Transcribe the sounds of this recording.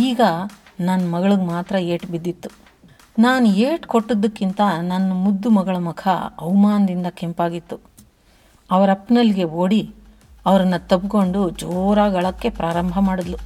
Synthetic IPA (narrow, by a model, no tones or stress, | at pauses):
iːɡɐ | nɐnːmɐɡɐɭuɡmaːt̪ɾɐeːʈbid̪ːit̪ːu̥ | naːnueːʈkoʈːod̪ːɐkːint̪ɐnɐnːɐmud̪ːumɐɡɐɭɐmukʰɐ̰ɐ̰ʋmaːnɐd̪ind̪ɐke̞mpaːɡit̪ːu | ɐʋɐɾɐpːnɐlːɡe̞oːɽi | ɐʋɐɾɐnːɐt̪ɐbko̞ɳɖud͡ʒoːɾaːɡɐɭɐkːe̞pɾaːɾɐmbʱɐmaːɽɐd̪lu